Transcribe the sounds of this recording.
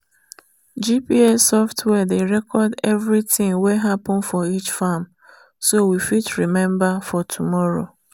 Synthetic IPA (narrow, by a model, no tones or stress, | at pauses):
d͡ʒipiesɔftʰwɛdeɾɛkɔdɛvɹitɪ̃ŋweɦapɔ̃n̩fɔit͡ʃfam | sowifitɹimɛ̃mbafɔtʰumɔɹo̰